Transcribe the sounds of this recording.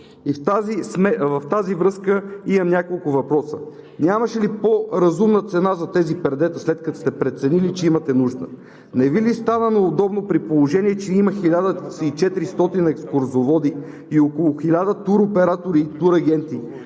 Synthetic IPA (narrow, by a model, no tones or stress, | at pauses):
ift̪azismɛvɐft̪azivɾɤskəimɐmnʲakolˠkʊvɐpɾɔsə | nʲamɐʃɛlipoɾɐzumnət̪sɛnazɐt̪ɛzipɛɾd̪ɛt̪əslɛt̪̚kɐt̪ɔst̪ɛpɾɛt̪sɛnilit͡ʃɛimɐt̪ɛnuʒd̪ə̰ | nɛvilist̪anənoːd̪ɔbnopɾipolˠoʒɛniɛt͡ʃɛiməxilʲad̪əsit͡ʃɛt̪iɾist̪ɔt̪inɛkskʊɾzovɔd̪iː | okolˠʊxilʲad̪ət̪uɾopɛɾat̪oɾiːt̪uɾɐɡɛnt̪i